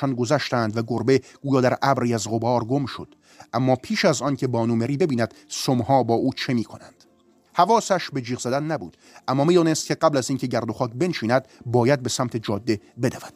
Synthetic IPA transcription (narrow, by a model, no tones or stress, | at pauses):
ɒnɡozæʃt̪ænd̪væɡoɾbe̞ɡ̥uːjɒːd̪æɾʔæbɾiːæzʁobɒːɾɡomʃod̪̥ | ʔæmːɒːpʰiːʃæzɒːncʰe̞bɒːnumeɾiːbebiːnæd̪̥somhɒːbɒːʔuːt͡ʃʰe̞miːkʰonænd̪̥ | hævɒːsæʃbe̞d͡ʒiːɣzæd̪ænːæbṵːd̪̥ | ʔæmːɒːmiːd̪ɒːnest̪̚cʰʲe̞ɢæblæziːnkʲʰe̞ɟæɾd̪oxɒːkʰbe̞nʃiːnæd̪̚bɒːjæd̪̚be̞sæmt̪ʰe̞d͡ʒɒːd̪ːebed̪ævæd̪̥